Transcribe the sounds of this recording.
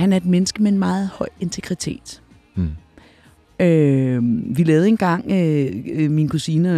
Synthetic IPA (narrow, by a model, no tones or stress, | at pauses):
hænæɐe̝d̥̚menəsɡ̥əmee̝nmɑ̈ːð̞̩ˠhɒ̽ɪ̰e̝nt͡sʰeɡ̥ʁit͡sʰe̝̰ːd̥ | ø | ʋilɛːʊð̞̩ˠe̝nɡ̥ɑ̈ŋ̰øminkʰusinə